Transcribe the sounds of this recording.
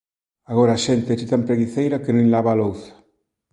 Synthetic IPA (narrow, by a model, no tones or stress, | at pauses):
aɣoɾaːʃent̪eet͡ʃit̪ampɾeɣiθejɾakenũilaβaːlowθḁ